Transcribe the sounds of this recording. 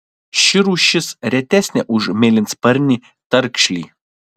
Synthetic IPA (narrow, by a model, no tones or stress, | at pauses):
ʃʲɪɾuːʃʲɪsɾʲɛt̪ʲɛsʲnʲɛʔʊʒmʲeːlʲɪnʲspɐɾʲnʲi | t̪ɐɾkʃʲlʲḭː